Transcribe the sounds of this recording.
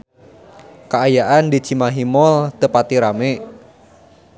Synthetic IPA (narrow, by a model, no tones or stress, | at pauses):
kaajaʔandi̥t͡ʃi̤maɦimɔlt̪əpat̪iɾame